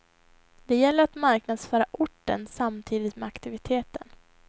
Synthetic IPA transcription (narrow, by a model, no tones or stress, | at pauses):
d̪̥ɛjɛlːəɾat̪maɾknad̪sfœːɾaʔʊʈːə̰nsamt̪ʰiːd̪ɪt̪mɛakt̪ɪvɪt̪ʰeːt̪ən